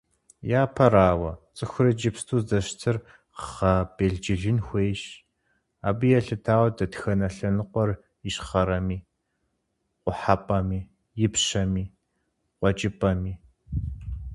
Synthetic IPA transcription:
jaːpʰɐɾaːwɐt͡sʼɨxʷʊrɨd͡ʒɪpstʰuːzdɐʃtʰɨr | χɐb̥eːɮd͡ʒɪɮɪnxʷeːɕ | aːbɨjɛɬɨtʰaːwdɐtxɐnɐɬɐnɨqʷɔr | jɪɕχɐɾɐmiː | qʷʊħapʼɐmiː | jɪpɕɐmiː | qʷɔd͡ʒʼɪpʼɐmiː

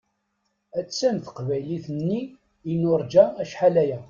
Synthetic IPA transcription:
æt͡sːæmθə̥qvæjliθənːi | inʊɾˤd͡ʒææʃħalæjæ

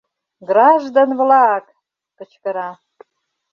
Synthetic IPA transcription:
ɡrɑʒd̪onvlɑk | pə̆t͡ɕkə̆ɾɑ

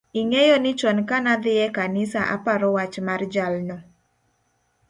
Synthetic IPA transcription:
iŋejɔnɪt͡ʃɔnkanad̪ɪɛkanɪsaʔa̰paɾɔwat͡ʃmard͡ʒalnɔ

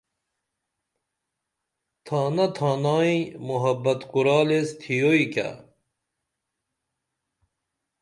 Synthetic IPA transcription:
t̪ʰaːnɐt̪ʰɑːnɑːimuɦɐbɐt̪quɾɑːlest̪ʰijoika̰

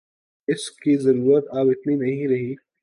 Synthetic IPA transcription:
ɪskizɐɾuːɾət̪aːbɪt̪ninɐɦĩɾɐɦi

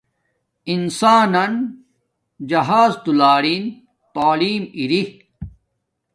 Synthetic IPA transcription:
insaːnɐn | d͡ʑɐɦaːzt̪ulaːɾin | t̪aːliːmiɾi

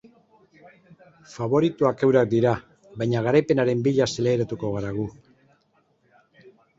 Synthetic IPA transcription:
faβ̞o̞ɾit̪uake̞wɾak̚d̪iɾa | βajɲaɣ̞aɾajpe̞naɾe̞mbiʎasele̞ːɾat̪uko̞ɣaɾaɣ̞u

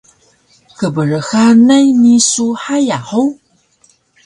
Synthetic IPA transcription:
kəbərəxanɐjnisuħajaħow

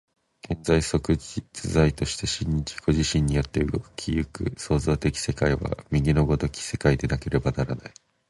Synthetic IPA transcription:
ɡ̥ẽ̞nzaiso̞kɯ̟d͡ʑit͡sɨzait̪o̞ɕi̥t̪e̞ɕĩɲ̟ːid͡ʑi̥ɡ̥o̞ʑiɕĩɲ̟ːijot̪ːe̞ɯ̟ɡo̞kɯ̟̥kʲʰijɯkɯ̟so̞ːzo̞ːt̪e̞kʲi̥se̞kaiβa̰mʲiɡʲino̞ɡo̞t̪o̞kʲi̥se̞̥kaid̪e̞nake̞ɾe̞banaɾanai

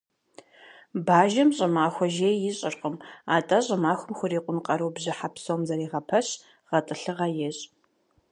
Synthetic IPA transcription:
baːʒɐmɕʼɪmaːxʷɔʒeːjjɪɕʼɪrqəmaːtʼɐɕʼɪmaːxʷʊmxʷʊɾiːqʷʼʊnqʼɐɾowbʑɪħapsowmzɐɾiːʁɐpʰɐɕ | ʁ̥ɐtʼɨɬɨʁɐjɛɕʼ

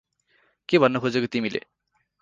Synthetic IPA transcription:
kebʱʌnːʌkʰod͡zekot̪imilḛ

